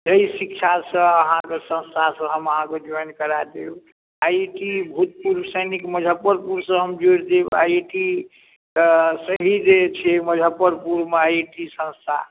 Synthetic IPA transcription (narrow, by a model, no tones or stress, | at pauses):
d͡ʒəisikt͡ʃʰasə̃əɦãkesə̃nst̪ʰasə̃ɦəməɦãked͡ʒɔjnkəɾad̪eu | ajʈibʱut̪̚puɾbsəjnikməd͡ʒʱəpːəɾpuɾsə̃ɦəmd͡ʒoɽd̪ea̰jʈi | səɦid͡ʒet͡ʃʰiməd͡ʒʱəpːəɾpuɾmeajʈisə̃nst̪ʰa̰